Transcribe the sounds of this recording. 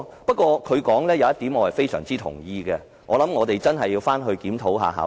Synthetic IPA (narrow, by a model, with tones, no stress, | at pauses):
pɐ˥t̚kʷɔː˧kʰɵ˨˧ɥkɔː˨˥ŋlɛː˥jɐ˨˧wjɐ˥t̪iː˨˥mŋɔː˨˧hɐ˨jfe˥jsœ̰ː˨˩ŋt͡siː˥t̪ʰʊ̰˨˩ŋjiː˧ɡɛː˧ | ŋɔː˨˧lɐ˨˦mŋɔː˨˧t̪e˨jt͡sɐ˥nɦɐ˨jːiː˧wfaː˥nɦɵ˧ɥkiː˨˥mt̪ʰo˨˥wɦa̰ː˨˧ɦa̰ː˨˥